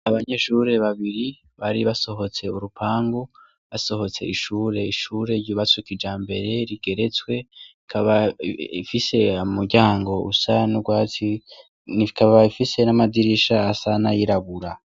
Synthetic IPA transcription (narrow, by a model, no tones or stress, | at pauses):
aβaɲeʃuːɾe̞βaβiɾi | βaɾiβaso̞ɦo̞t͡se̞uɾupʰaːŋɡo | βaso̞ho̞t͡se̞iʃuːɾe̞iʃuːɾe̞ɾɟuβat͡sukid͡ʒaːmbe̞ɾe̞ɾiɡ̥e̞ɾe̞t͡swe̞ikʰaβaifise̞amuɾɟaːŋɡo̞ṵsanuɡwaːti | nikʰaβaifise̞namadiɾiʃaːsanajiɾaβuɾa